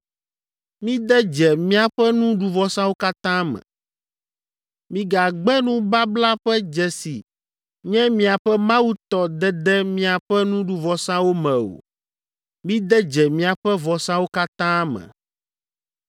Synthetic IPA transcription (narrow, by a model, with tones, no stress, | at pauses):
mĩ˦d̪ɛ˦d͡ʒɛ˨mĩ˦a˨ɸɛ˦nũ˦ɖu˨vɔ˨sã˦wo˦ka˦t̪ã˦mɛ̰̃˨ | mĩ˨ɡa˨ɡ͡bɛ˦nũ˦ba˦bla˦ɸɛ˦d͡ʒɛ˨si˨ | ɲɛ̃˦mĩ˦a˨ɸɛ˦mã˦wu˦t̪ɔ˨d̪ɛ˦d̪ɛ˦mĩ˦a˨ɸɛ˦nũ˦ɖu˨vɔ˨sã˦wo˦mɛ̃˨o̰˨ | mĩ˦d̪ɛ˦d͡ʒɛ˨mĩ˦a˨ɸɛ˦vɔ˨sã˦wo˦ka˦t̪ã˦mɛ̰̃˨